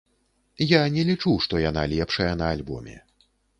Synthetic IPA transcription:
janʲɛlʲit͡ʂuʂt̪ɔjanalʲɛpʂɐjɐnɐalʲbɔ̰mʲɛ̰

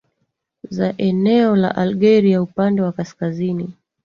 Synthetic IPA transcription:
zaʔɛnɛɔla̰ʔalɡɛɾiaupandɛwakaskazini

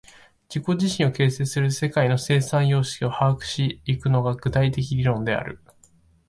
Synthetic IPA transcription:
d͡ʑiko̞d͡ʑiɕĩɰ̃o̞ke̞ːse̞ːsɨɾɯ̟se̞kaino̞se̞ːsãɰ̃jo̞ːɕi̥kʲio̞haːkɯ̟̥ɕiːkɯ̟no̞ɡaɡɯ̟t̪ait̪e̞kʲiɾʲiɾõ̞nd̪e̞a̰ɾɯ̟

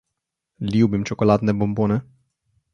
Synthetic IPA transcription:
liwbimt͡ʃokolat̪nebombonɛ

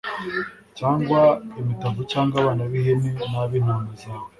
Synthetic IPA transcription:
t͡ʃaːŋɡwaemitavut͡ʃaːŋɡaβaːnaβiɦenenaβinonize

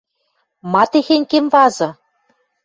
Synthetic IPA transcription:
mɑt̪exenʲkemvɑzɤ̆

